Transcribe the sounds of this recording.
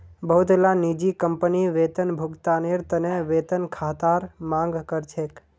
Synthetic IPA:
bəɦʊt̪lanid͡ʒikəmpəniʋeːt̪ənbʱʊkt̪aneɾt̪əneʋeːt̪ənkʰaːt̪aːɾmãŋɡkəɾt͡ʃʰek

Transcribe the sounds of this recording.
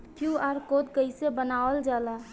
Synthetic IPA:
kʰjuaɾkod̪kəɪsebənaəld͡ʒala

